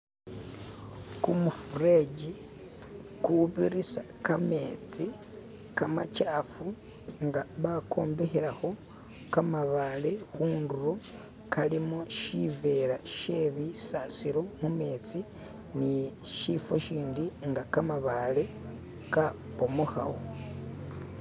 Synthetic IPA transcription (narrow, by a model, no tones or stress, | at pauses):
kumufuɾeɟi | kuβiɾisa | kame̞t͡si | kama̰t͡ʃaːfu | ŋɡaβakʰo̞ːmbe̞xeɾaho̞ | kamaβale̞xuːnduɾo | kalimoʃive̞ɾaʃeβisasiɾomume̞ːt͡si | niʃifoʃiːndiŋɡakamaβale̞ | ka | pomoxa̰wo